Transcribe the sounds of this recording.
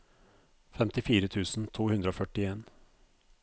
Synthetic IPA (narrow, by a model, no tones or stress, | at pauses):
fɛmt̪ɪfiːɾət̪ʰʉːsn̩t̪ʰuːhʉnd̪ɾəoːfœʈɪeːn